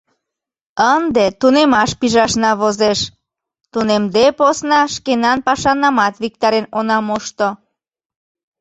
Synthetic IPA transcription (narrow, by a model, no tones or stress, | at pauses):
ənd̪et̪unemɑʃpiʒɑʃnɑβozeʃ | t̪unemd̪eposnɑʃkenɑnpɑʃɑnːɑmɑt̪βik̚t̪ɑɾenonɑmoʃt̪o